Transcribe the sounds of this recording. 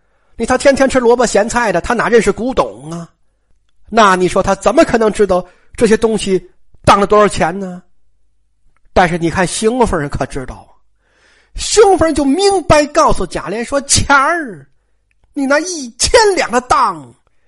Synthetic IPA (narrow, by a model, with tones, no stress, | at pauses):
ni˨˩t̪ʰa˥t̪ʰjɛ˥nt̪ʰjɛ˥nʈ͡ʂʰɻ̩˥lwɔ˧˥bə˥˩ɕjɛ˧˥nt͡sʰa˥˩ɪd̪ə˩t̪ʰa˥na˧˥ɻə˥˧nʂɻ̩˥˩ku˧˥t̪ʊ˨˩˦ŋɐ˧ | na˥˩ni˨˩ʂwɔ˥t̪ʰa˥t͡sə˨˩nmə˦kʰɤ˨˩nɤ˧˥ŋʈ͡ʂɻ̩˥t̪ɑ˥˧˩ʊ | ʈ͡ʂɤ˥˩ɕ̬jɛ˥t̪ʊ˥ŋɕi˨ | t̪ɑ˥˩ŋlə˩t̪wɔ˥ʂə˥˩t͡ɕʰjɛ˧˥nnə˧ | t̪a˥˧nʂɻ̩˥˩ni˨˩kʰa˥˩nɕi˥ŋ˧˩fə˧˥ɻə˧˥nkʰɤ˨˩ʈ͡ʂɻ̩˥t̪ɑ˥˩ʊ | ɕi˥ŋ˩fə˥˧t͡ɕjo˥˩ʊmi˧˥ŋpa˥˧ɪkɑ˥˩ʊsu˨˩t͡ɕja̰˨˩ljɛ˧˥nʂwɔ˥t͡ɕʰja˧˥ | ni˨˩na˧˥i˥˩t͡ɕʰjɛ˥nljɑ˨˩ŋd̪ə˦t̪ɑ˥˩ŋ